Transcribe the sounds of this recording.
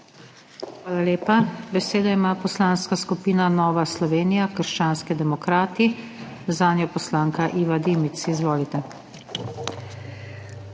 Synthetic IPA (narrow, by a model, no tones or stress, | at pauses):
xʋaːlaleːpabɛseːd̪aimaːpɔslanskaskupiːnanɔːʋaslɔʋeːnijakəɾʃt͡ʃaːnskid̪ɛmɔkɾaːt̪i | zaːnjɔpɔslaːŋkaʔiːʋad̪imit̪sizʋoːlit̪ɛ